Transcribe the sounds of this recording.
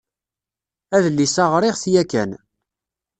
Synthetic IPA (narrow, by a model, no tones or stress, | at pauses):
æðlːisɑʁɾɪʁθjækæ̰n